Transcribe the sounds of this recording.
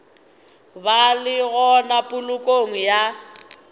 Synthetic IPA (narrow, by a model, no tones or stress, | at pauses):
balɪɣɔnapʼʊlʊkʼoŋ̩ja